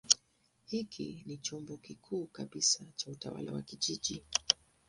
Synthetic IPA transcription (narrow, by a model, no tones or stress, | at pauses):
hikʰḭnit͡ʃɔmbɔkikʰuːkaɓisat͡ʃauta̰wa̰la̰wa̰kiʄiʄi